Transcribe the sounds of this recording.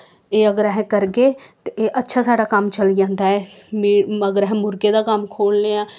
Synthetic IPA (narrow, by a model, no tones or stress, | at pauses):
eːəɡəɾɛɦɛ̃kəɾɡeːt̪eeːʔɐtːʃʰasaːɖakaːmt͡ʃəlid͡ʒãːnd̪aɦɛː | meɐɡəɾɛɦɛ̃mʊɾked̪akaːmkʰoːlneãː